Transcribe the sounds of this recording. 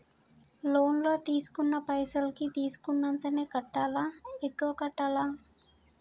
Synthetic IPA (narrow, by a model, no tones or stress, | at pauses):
lo̞ːnloːt̪iːsu̥kunːɐpɐjsɐlkit̪iːsu̥kunːɐnt̪ɐneːkɐʈːaːlaːekːuʋɐkɐʈːaːlaː